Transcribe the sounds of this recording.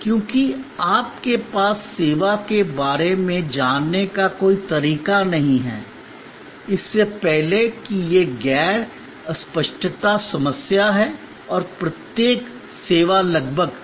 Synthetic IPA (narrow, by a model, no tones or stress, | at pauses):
kjõːkiaːp̚kepaːsːeːʋakebaːɾemẽd͡ʒaːnːekakoːit̪ɐɾiːkanɐɦĩɦɛ̰ː | ɪsːepɛɦlekijeɡɛːɽ | ɐspəʃʈʰt̪asɐməsjaɦɛ | ɔːɾpɾɐt̪jeːk | seːʋalɐɡbʱəɡ